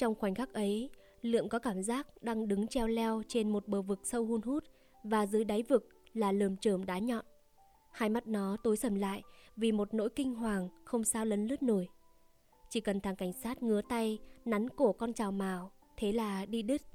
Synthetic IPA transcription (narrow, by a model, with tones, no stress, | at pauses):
t͡ɕɔ˧wŋ͡mxwa˨˩jŋ̟xaː˦˥k̚ʔə˨˦j | lɨ̰˧˨əmkɔ˨˦kaː˧˩mzaː˦˥k̚ɗaː˧ŋɗɨ˨˦ŋt͡ɕɛ˧wlɛ˧wt͡ɕe˧nmo˨˩t̚ɓəː˨˩vɨ˨˩k̚sə˧whu˧nhu˦˥t̚ | vaː˨˩zɨ˨˦əjɗaː˨˦jvɨ˨˩k̚laː˨˩ləː˨˩mt͡ɕəː˧˩mɗaː˨˦ɲɔ̰˧˨n | haː˧˩jma˦˥t̚nɔ˨˦t̪o˨˦jsə˧˩mla̰ː˧˨jvi˨˩mo˨˩t̚no̰˧˥jkï˧ŋ̟ɦwaː˨˩ŋxə˧wŋ͡msaː˧wlə˨˦nlɨ˦˥ət̚no˧˩j | t͡ɕi˧˩kə˨˩nt̪ʰaː˨˩ŋka˧˩jŋ̟saː˦˥t̚ŋɨ˨˦ət̪a˧jna˨˦nku˧˩əkɔ˧nt͡ɕaː˨˩wmaː˨˩w | t̪ʰe˨˦laː˨˩ɗi˧ɗi˦˥t̚